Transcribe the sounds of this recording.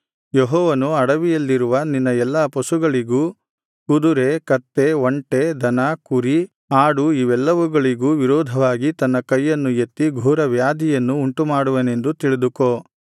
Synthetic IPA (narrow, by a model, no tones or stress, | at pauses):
jeɦɔːʋɐnuɐɽɐʋijɐlːiɾuʋɐninːɐɛlːɐpɐsuɡɐɭiɡuː | kud̪uɾe̞kɐt̪ːe̞ʋoɳʈed̪ʱɐnakuɾi | aːɽuiʋɛlːɐʋuɡɐɭiɡuːʋiɾɔːd̪ʱɐʋaːɡit̪ɐnːɐkɐjːɐnːujet̪ːiɡʱuːɾɐʋjaːd̪ʱijɐnːuːɳʈumaːɽuʋɐne̞nd̪ut̪iɭid̪ukoː